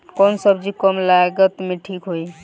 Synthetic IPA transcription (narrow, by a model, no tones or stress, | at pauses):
kɔnsəbd͡ʒikɔmlaɡət̪meʈʰikɦoj